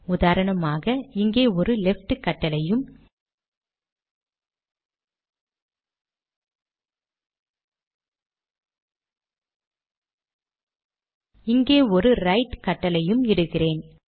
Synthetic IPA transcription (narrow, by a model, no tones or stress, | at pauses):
ʊðaːɾɐɳɐmaːɣɐɪŋɡeːɔɾɯlɛfʈkɐʈːɐlɐjɯm | ɪŋɡeːɔɾɯɾɐɪʈkɐʈːɐlɐjɯmɪɽɯɣɪreːn